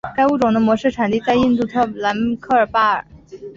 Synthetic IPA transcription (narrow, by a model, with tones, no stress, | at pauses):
ka˥ɪu˥˩ʈ͡ʂʊ˨˩ŋd̪ə˦mwɔ˧˥ʂɻ̩˥˩ʈ͡ʂʰa˨˩nt̪i˥˧t͡sa˥˧ɪi˥˧nt̪u˥˩t̪ʰɤ˥˩la˧˥nkʰɤ˥˩ə˞˨˩pa˥˩ə̰˞˨˩˦